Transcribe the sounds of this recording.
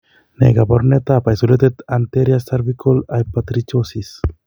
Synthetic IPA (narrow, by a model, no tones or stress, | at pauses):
nḛɡapoɾnet̪apajsolet̪et̪ant̪eɾjast̪aɾbikolajpat̪ɾit͡ʃosis